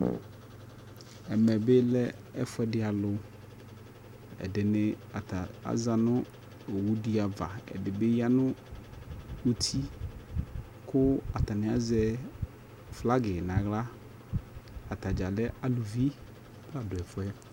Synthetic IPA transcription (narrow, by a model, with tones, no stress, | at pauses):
ɛ˨mɛ˨bɪ˦lɛ˦ | ɛ˨fʊ˦ɛ˦dɪ˨˦a˨lʊ˨ | ɛ̰˨dɪ˨nɪ˨ | a˨a˨a̰˦za˨nʊ̃˦ | o˨wu˦di˦a˨va̰˨ɛ̰˨dɪ˨bɪ˦ja˦nʊ̃˦ | u˦t̪ʰi˦ | kʊ˦a˨t̪a˨nɪ̃˨a˨zɛ˦ | fla˦ɡɪ˨nã˨ɣla˦ | a˨t̪a˨d͡ʒa˨lɛ˦ʔa˨lu˨vi˦ | b̥ʊ˦a˨dʊ˨ɛ˨fʊ˦ɛ˦